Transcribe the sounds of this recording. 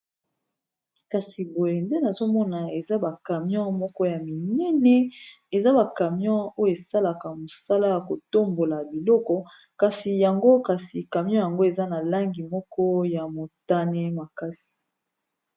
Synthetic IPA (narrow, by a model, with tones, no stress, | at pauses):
ka˨si˨bo˨je˨nde˦na˨zo˦mɔ˦na˨e˨za˦ba˨ka˨mjɔ̃˦mɔ˦kɔ˦ja˨mi˨nɛ˦nɛ˦ | e˨za˦ba˨ka˨mjɔ̃˦o˦jo˦e˨sa˦la˨ka˨mo˨sa˦la˦ja˨ko˨to˦mbo˨la˨bi˨lɔ˦kɔ˦ | ka˨si˨ja˨ŋɡo˦ka˨si˨ka˨mjɔ̃˦ja˨ŋɡo˦e˨za˦na˨la˦ŋɡi˨mɔ˦kɔ˦ja˨mo˨ta˦nɛ˦ma˨ka˦si̥˨